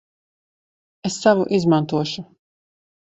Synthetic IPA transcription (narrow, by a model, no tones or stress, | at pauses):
esːavuʔizmãnt̪uɔʃu